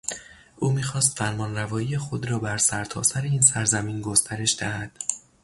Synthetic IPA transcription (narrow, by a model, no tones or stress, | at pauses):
ʔuːmiːxɒːst̪fæɾmɒːnrævɒːiːjexod̪ɾɒːbæɾsæɾt̪ʰɒ̰ːsæɾeiːnsæɾzæmiːnɡo̞st̪ʰæɾe̞ʃd̪̥æhæd̪̥